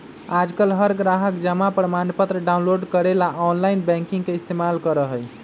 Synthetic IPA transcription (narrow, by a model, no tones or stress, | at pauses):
ad͡ʒkəlɦəɾɡɾaɦəkd͡ʒəmapɾəmanpət̪ɾəɖawnloɖkəɾelaʔɔnlajnbɛ̃ŋkĩŋɡkeist̪emalkəɾəɦəj